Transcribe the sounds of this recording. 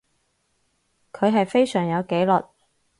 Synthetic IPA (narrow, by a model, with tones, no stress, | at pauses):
kʰɵ˨˧ɥɦɐ˨jfe˥jsœː˨˩ŋjɐ˨˧wke˨˥jlɔ˨t̚